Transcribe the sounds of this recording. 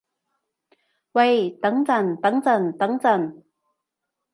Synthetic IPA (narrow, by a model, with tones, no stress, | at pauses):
wɐ˧˩jt̪ɐ˨˥ŋt͡sɐ˨˩nt̪ɐ˨˥ŋt͡sɐ˨˩nt̪ɐ˨˥ŋt͡sɐ˨˩n